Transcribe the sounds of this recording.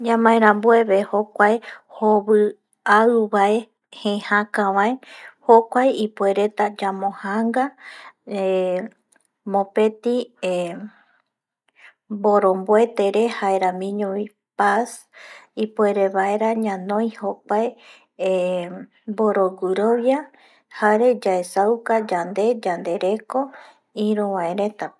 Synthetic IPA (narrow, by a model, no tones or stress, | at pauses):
d͡ʒãmãẽɾãmbueβehokʷaehoβɨ | aɨβae̞ | hẽhãkãʋaehokʷajipue̞ɾe̞t̪ad͡ʒamõhaŋɡa | e | mõpe̞t̪i | boɾo̞mboe̞t̪e̞ɾe̞haeɾamĩɲõβi | pas | ipue̞ɾe̞βaeɾaɲãnõj̃hokʷae | boɾoɡuɾoβja | haɾe̞d͡ʒaesawkad͡ʒand̪e̞d͡ʒand̪e̞ɾe̞ko̞ | ĩɾũβaeɾe̞t̪a